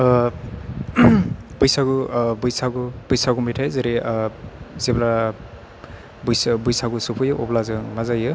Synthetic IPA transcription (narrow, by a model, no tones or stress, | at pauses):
bujsaɡubujsaɡub̥ujsaɡumitʰajzeɾi | zebla | bujsbujsaɡusupʰɯjɯʔɔplazɯŋmazajɯ